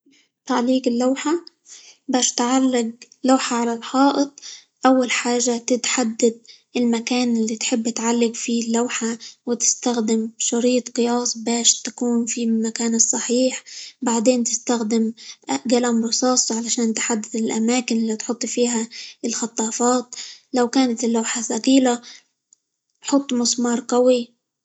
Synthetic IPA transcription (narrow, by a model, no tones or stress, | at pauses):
t̪aʕaliːɡɪlːawħa | baːʃt̪ʕalːɪɡlawħaʕalalħɑːʔɨt̪ˤ | ʔawːalħaːʒːat̪ɪt̪ħad̪ːad̪̚ | ɪlmakaːnɪlːit̪ħɪbːɪt̪ʕalːaɡfilːawħawɪt̪ɪ̥st̪axd̪ɪmʃɑɾiːt̪qɨjɑːsˤbaːʃt̪ḁkuːnfimakaːnɨsˤːɑħiːħbaʕd̪eːnt̪ɪst̪axd̪ɪmʔɡalamɾˤʊsɑːsˤʕalaʃaːnt̪ħad̪ːad̪ɪlʔamaːkɪnɪlːit̪ħʊt̪ˤːfiːɦaɪlxɑt̪ˤːɑːfɑːt̪lawkaːnat̪ɪlːawħasaqiːla | ħʊt̪ˤːmʊsmɑːɾˤqawi